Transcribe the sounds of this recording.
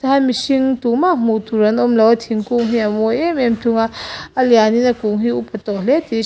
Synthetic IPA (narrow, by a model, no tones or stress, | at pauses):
taamisiŋtumam̥utʰuɾɐnomlɐwatʰiŋkuŋɦiamoememtʰuŋaːlijaninɐkuŋɦiupʰɐtɔleti